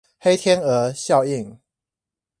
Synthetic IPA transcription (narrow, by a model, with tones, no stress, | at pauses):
xe˥˦ɪt̪ʰjɛ˦nə˨˦ɕjɑ˥˨ʊi˥˨˩ŋ